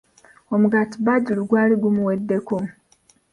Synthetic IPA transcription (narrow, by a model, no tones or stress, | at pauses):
omuɡatibaɟiluɡwaːliɡumuwedːe̞ku